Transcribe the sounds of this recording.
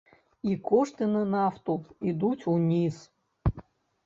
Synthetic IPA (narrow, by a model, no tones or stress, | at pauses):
ikʰɔʂt̪ɨnɐnɑft̪uid̪ut͡sʲunʲiz